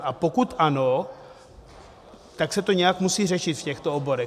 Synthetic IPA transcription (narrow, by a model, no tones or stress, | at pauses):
ʔapo̞kut̪ʔano̞ | t̪aksɛt̪o̞ɲɛjakmusiːrɛʃɪt̪fcɛxt̪oobo̞ɾɛ